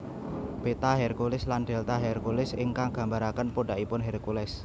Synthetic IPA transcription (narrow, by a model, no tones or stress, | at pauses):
b̥et̪aɦɛrkulɪsland̪̥ɛ̤lt̪aɦɛrkulɪsɪ̰ŋkaŋɡ̥a̤mbaɾakənpoɖa̤ʔipʊnɦɛrkulɛs